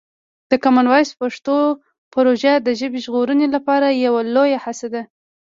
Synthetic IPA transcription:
d̪̥əkamanwɑjspaʂt̪o | pɾoʒad̪əʒəbiʒɣoɾənelapɑɾajawalojahasad̪a

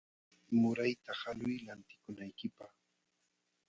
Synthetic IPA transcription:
mʊɾajt̪ahalʊjlant̪ɪ̥kʊnajkɪpɑχ

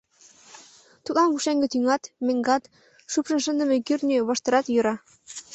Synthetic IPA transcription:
t̪ut̪lˠɑnβuʃæŋɡɘ̆t̪yŋɑt̪mĕŋɡɑt̪ | ʃupʃɤ̆nʃɤ̆nd̪ə̆mɘ̆kyrnʲyβɤ̆ʃt̪ɤ̆ɾɑt̪jɤ̆ɾɑ

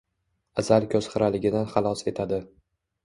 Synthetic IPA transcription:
azalkʰʲɵz̥χɨɾalɪɡʲɪd̪anχɑlˠɒse̞t̪ʰad̪ɪ

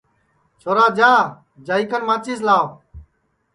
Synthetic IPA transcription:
t͡ʃʰoːɾaːd͡ʒãː | d͡ʒaːiːkənmãːt͡ʃiːs̬laːʋ

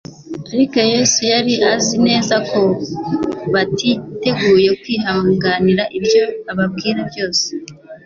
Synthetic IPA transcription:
aɾiko̞je̞sujaɾiʔazine̞ːzakʰo̞ | βatʰite̞ɡuːje̞kwiːɦaŋɡaniɾaʔibjo̞aβab̚ɡiːɾebjo̞ːse̥

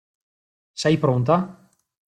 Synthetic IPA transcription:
sɛjpɾont̪a

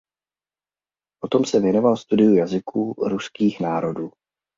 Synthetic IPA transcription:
ʔo̞t̪o̞msɛvjɛno̞valst̪udɪjujazɪkuːɾuskiːxnaːɾo̞duː

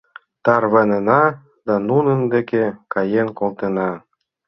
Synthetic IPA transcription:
t̪ɑrβɑnenɑ | d̪ɑnunənd̪ekekɑjenkolˠt̪enɑ

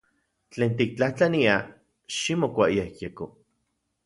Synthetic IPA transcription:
t͡ɬeːnt̪ik̚t͡ɬaht͡ɬania | ʃimokʷaʔiehjeko

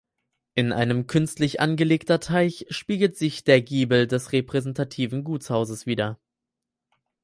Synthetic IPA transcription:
ʔɪnʔa̰ɪnəmkʰʏnstlɪçʔa̰nɡəleːktɐtʰaɪçʃpiːɡl̩tz̥ɪçd̥eːɐɡiːbl̩dɛsʁepʁ̥ɛzɛntʰatʰiːvn̩ɡuːt͡shaʊzəsv̥iːdɐ

